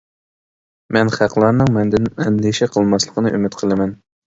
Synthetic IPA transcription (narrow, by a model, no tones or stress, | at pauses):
mɛnχæqʰlˠɑɾnɨŋmɛnd̪ɪnɛnliʃɛqʰəlˠmɑslˠəqʰənɨʔymɪt̪qʰəlˠɨmɛn